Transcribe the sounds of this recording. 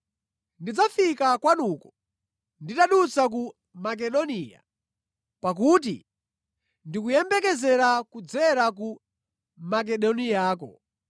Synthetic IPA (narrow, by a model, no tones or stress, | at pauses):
ndid͡zafikakwanukɔ | nditaɗut͡sak̬u | mak̬ɛɗɔniːja̰ | pak̬ut̬ḭ | ndikujɛmbɛkɛzɛɾakud͡zɛɾak̬u | mak̬ɛɗɔnijaːkɔ̰